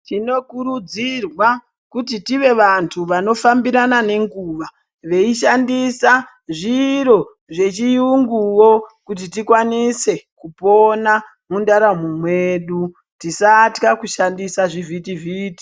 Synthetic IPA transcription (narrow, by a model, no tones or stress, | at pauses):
tino̞kuɾud͡zirwa | kutitiʋe̞ʋantʰuʋano̞fambiɾanane̞ŋɡuːʋa | ʋe̞iʃandisa | ʐiɾo̞ | ʐe̞t͡ʃijuŋɡuwokut̬itikwanise̞kupona | mundaɾamumwe̞ɗu | tisatkakuʃandisaʐivʱitiviti